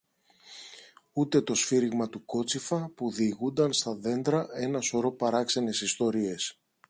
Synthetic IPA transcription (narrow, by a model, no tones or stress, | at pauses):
ut̪e̞t̪o̞sfiɾiɣmɐt̪uko̞t͡sifɐpuðiɣund̪ɐnst̪ɐðe̞nd̪ɾɐe̞nɐso̞ɾo̞pɐɾɐkse̞ne̞sist̪o̞ɾie̞s